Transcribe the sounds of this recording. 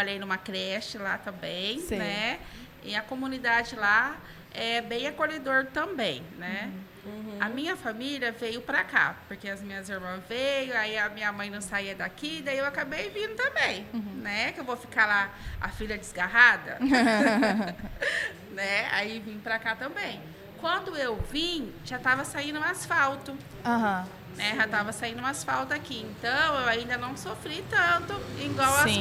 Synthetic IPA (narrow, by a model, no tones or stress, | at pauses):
oʎejnũmɐkɾɛʃt͡ʃɪlat̪ɐ̃mbẽj̃snɛ | ɪɐkomũnid̪ad͡ʒɪla | ɛbẽj̃akoʎed̪oɾt̪ɐ̃bḛ̃j̃nɛ | ɐmĩɲɐfamiliɐvejʊpɾaka̰poɾkeɐzmĩɲɐziɾmɐ̃zvejõaiɐmĩɲɐmɐ̃j̃nɐ̃w̃saiɐd̪akid̪aiewakabejvĩd̪ʊt̪ɐ̃mbẽj̃nɛkewvofi̥kalaa̰fiʎɐd͡ʒɪzɡaɦad̪ɐ̰ | nɛa̰ivĩpɾakat̪ɐ̃mbẽj̃ | kwɐ̃nd̪ʊewvĩʒat̪avɐsaĩd̪ʊũasfawt̪ʊ | aɦɐ̃ | nɛʒat̪avɐsaĩnd̪ʊũasfawt̪ʊakiẽnt̪ɐ̃w̃ewaĩnd̪ɐnɐ̃w̃sofɾit̪ɐ̃nt̪ʊĩɡwawã